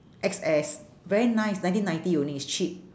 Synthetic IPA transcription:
ʔɛksɛs | vɛɹinãjsnãj̃ntĩnãj̃ntijoniist͡ʃip̚

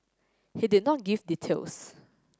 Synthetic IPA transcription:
hidid̚nɔt̚ɡivditʰḛls

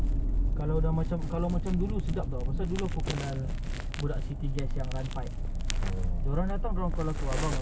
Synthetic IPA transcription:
kaladahmat͡ʃamkalawmat͡ʃamdulusədak̚d̪ɔmasadulupukənal | budaʔsit̪iɡɛsjaŋrant̪aj | ədoɾaŋdat̪aŋdoɔŋkalat̪uabaŋ

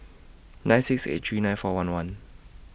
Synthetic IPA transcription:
nãnsik̚sḛt̪̚ʰɹiːnãnfɔːwanwan

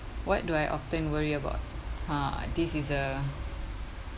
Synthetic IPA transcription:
wɔt̚duajʔɔ̰ftə̃nwəɹiəba̰ʊt̚adisisə

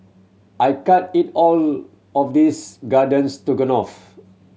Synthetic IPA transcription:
ʔajkat̚itɔl | ɔfdisɡadə̃nstuɡə̃nɔf

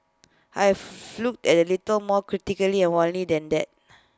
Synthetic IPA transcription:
ajɛffluk̚tɛtəlitəlmɔkɹitikəliɛ̃nwɔ̃nlidɛ̃ndɛt̚

